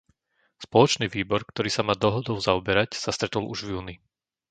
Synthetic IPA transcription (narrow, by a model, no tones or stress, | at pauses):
spɔlɔt͡ʃniːʋiːbɔɾkt̪ɔɾiːsamaːd̪ɔɦɔd̪ɔʊzaɔbɛɾacsast̪ɾɛt̪ɔlʔuʒvjuːni